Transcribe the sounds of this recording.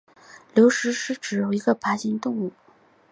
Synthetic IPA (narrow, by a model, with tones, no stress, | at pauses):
ljo˧˥ʊʂɻ̩˧˥ʂɻ̩˧˥ʈ͡ʂɻ̩˨˩jo˨˩ʊi˧˥ɡə˧pa˧˥ɕi˧˥nt̪ʊ˥˧ŋu˥˩